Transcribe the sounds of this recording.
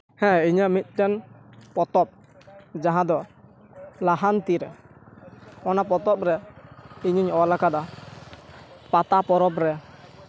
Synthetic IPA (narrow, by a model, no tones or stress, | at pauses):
hɛ̃iɲamit̪̚ˀʈɛnpɔt̪ɔp̚ | d͡ʒaɦãd̪ɔ | laɦant̪iɾɛ | ɔnap̬ɔt̪ɔp̚ɾɛiɲiɲɔlakad̪a | pat̪apɔɾɔpɾɛ